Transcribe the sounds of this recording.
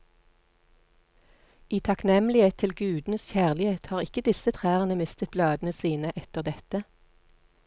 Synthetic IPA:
iːt̪ʰɑknɛmlɪheːt̪ʰɪlɡʉːd̪n̩sçæːʁlɪheːt̪hɑːʁɪkəd̪ɪsət̪ʰʁæːʁənəmɪst̪ət̪̚blɑːd̪n̩əsiːnəʔɛt̪əʁd̪ɛt̪ə

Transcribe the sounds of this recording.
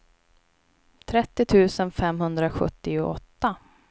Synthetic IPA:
t̪ʰɾɛt̪ːɪt̪ʰʉ̟ːsənfɛmɦɵnd̪ɾaɧɵ̰t̪ːɪʊɔ̰t̪ːa

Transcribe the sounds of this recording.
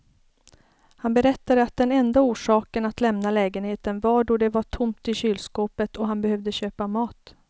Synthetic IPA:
hanbɛɾɛt̪ːad̪əat̪̚d̪ɛnɛnd̪auːʂɑːkənat̪lɛmnalɛːɡənheːt̪ənvaɖɔɖɛvaʈʰʊmt̪ɪɕyːlskoːpət̪ʰɔɦanbɛhœvd̪əɕøːpamɑːt̪

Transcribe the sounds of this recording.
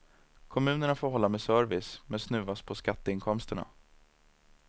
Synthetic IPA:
kʰɔmʉ̟ːnəɳafoːɾɦɔlːamɛsœɾvɪsmɛnsnʉ̟ːaspʰɔskat̪ːəɪnkʰɔmst̪əɳa̰

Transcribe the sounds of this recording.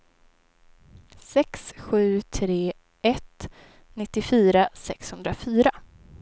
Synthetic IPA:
sɛksɧʉ̟ːt̪ʰɾeː | ʔɛt̪ | nɪt̪ːɪfyːɾasɛkshɵnd̪ɾafyːɾa

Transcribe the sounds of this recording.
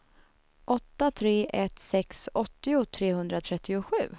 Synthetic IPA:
ʔɔt̪ːat̪ʰɾeːʔɛt̪sɛksɔt̪ːɪʊt̪ʰɾeːɦɵnd̪ɾat̪ʰɾɛt̪ːɪʊɧʉ̟ː

